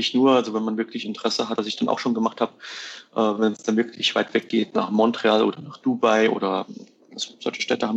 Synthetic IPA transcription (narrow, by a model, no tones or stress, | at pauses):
ɪçnuːɐʔalzovɛnmanvɪɐklɪçɪntəʁ̥ɛsəɦatv̥asɪçd̥anʔa̰ʊxʃoːnɡəmaχthaːbəʔɛːvɛnɛsd̥anvɪɐkʰlɪçv̥aɪtv̥ɛk̚ɡ̥eːtna̰ːχmɔntʁ̥eaːlʔoːdɐnaːχd̥ubaɪʔo̰ːdɐ | ʔaz̥oz̥ɔ̰lçə̥ʃtɛːtəhaːm